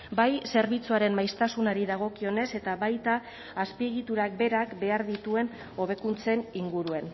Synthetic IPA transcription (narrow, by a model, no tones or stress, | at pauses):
bajse̞ɾβit͡suaɾe̞mmːajst̪asunaɾiðaɣ̞o̞kio̞ne̞se̞t̪aβajt̪aː | spie̞ɣ̞it̪uɾak̚be̞ɾakbe̞aɾðit̪ue̞n | o̞β̞e̞kunt͡se̞niŋɡuɾue̞n